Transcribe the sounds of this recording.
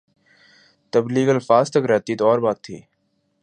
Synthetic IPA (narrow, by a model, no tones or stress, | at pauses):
t̪əbliːɡəlfaːst̪əkɾɛːt̪iːt̪oɔːɾbaːt̪ʰːḭː